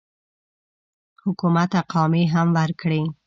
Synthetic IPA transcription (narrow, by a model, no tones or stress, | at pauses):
hʊkumat̪aqɑmiɦamwaɾkɽi